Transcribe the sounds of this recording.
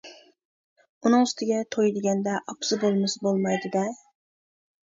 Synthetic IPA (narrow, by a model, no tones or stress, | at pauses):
unɨŋyst̪ɪɡʲɛt̪ʰojd̪ɪɡʲɛnd̪ɛʔɑpʰsɨbolˠmɪsbolˠmɑjd̪ɪd̪ɛ